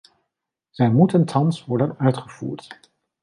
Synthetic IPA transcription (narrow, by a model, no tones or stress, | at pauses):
z̥ɛjmutəntʰɑnsʋɔɹdənœɥtχəv̥ṵːɹt